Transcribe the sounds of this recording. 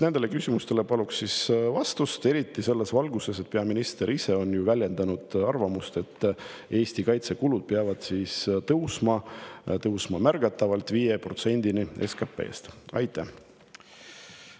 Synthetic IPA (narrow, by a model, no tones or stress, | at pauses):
ne̞nd̪̥e̞le̞kysʲimust̪e̞le̞pɑluksːisvɑst̪ust̪e̞ɾit̪ːˑise̞lːe̞svɑlɡ̥use̞s̬et̪̚peɑminist̪eɾise̞o̞njuvælʲje̞nd̪ɑnud̪̥ɑrvɑmust̪e̞t̪ːe̞ːst̪ikɑjt̪se̞kulud̪̥̚peɑvɑd̪̥siːst̪ɤwsmɑt̪ɤwsmɑmærɡ̥ɑt̪ːˑɑvɑlt̪ˑviːjepro̞t̪se̞nʲd̪̥inie̞̰skɑpːˑe̞̰ːst̪ɑ̰jt̪ːˑæh